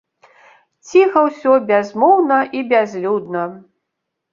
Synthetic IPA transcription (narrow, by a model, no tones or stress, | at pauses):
t͡sʲixɐwsʲɔbʲazmɔwnɐʔibʲazlʲud̪nɐ